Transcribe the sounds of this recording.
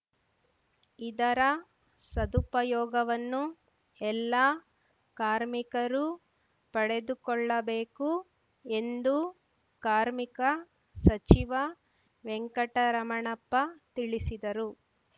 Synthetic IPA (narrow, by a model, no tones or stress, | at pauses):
id̪ɐɾɐ | sɐd̪upɐjɔːɡɐʋɐnːu | ɛlːaː | kaːɾmikɐɾu | pɐɽe̞d̪ukɔɭːɐbeːku | e̞nd̪u | kaːɾmikɐ | sɐt͡ʃiʋɐ | ʋɛŋkɐʈɐɾɐmɐɳɐpːɐt̪iɭisid̪ɐɾu